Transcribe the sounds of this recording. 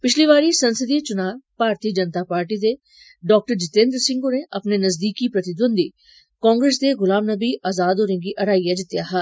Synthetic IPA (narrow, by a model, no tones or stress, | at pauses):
pɪt͡ʃʰliːʋaːɾisɐnsəd̪it͡ʃʊnaːʋpaːɾt̪iːd͡ʒənt̪aːpaːɾʈiːd̪e | ɖɔːk̚ʈəɾd͡ʒɪt̪ẽːnd̪ɾsɪ̃ŋɡoneʔɐpnenɐzd̪iːkipɾɐt̪ɪd̪ənd̪iː | kɔ̃ːŋɡɾeːs̬d̪eɣʊlaːmnəbiʔaːzaːd̪oːɾə̃ŋɡiʔɐɾaːijad̪ɪt̪jaːɦɛː